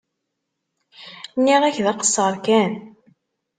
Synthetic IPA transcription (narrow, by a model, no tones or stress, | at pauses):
nːiʁæçðɑqə̥sˤːəɾˤkæn